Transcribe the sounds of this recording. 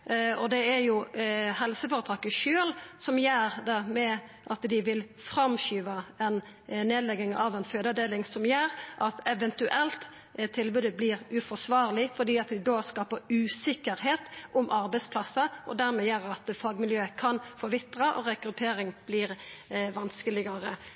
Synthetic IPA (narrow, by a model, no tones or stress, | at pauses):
ɔd̪ɛæɾjʊhɛlsəfoːɾət̪ʰɑːkəʃøːlsɔmjæːɾd̪ɛmɛʔɑt̪d̪ɪʋɪl | fʁɑmɕyːʋɑɛn | neːd̪lɛɡɪŋɑ̰ʋɛnføːd̪ɑd̪eːlɪŋsɔmjæːɾʔɑt̪ɛʋɛnt̪ʉʔɛlt̪ | t̪ʰɪlbʉːd̪əblɪːɾʉfɔsʋɑːʁlɪfɔd̪iːɑt̪d̪ɪd̪oːskɑːpəɾʉːsɪkːəɾɦeːt̪ʔʊmʔɑɾbɛɪspʰlɑsːɑʔɔ̰d̪æːɾmɛjæːɾɑt̪fɑːɡmɪljøːəkʰɑnfɔʋɪt̪əʁɑʔɔ̰ɾɛkɾʉt̪ʰeːɾɪŋb̥lɪːɾʋɑnskəlɪɡɑɾə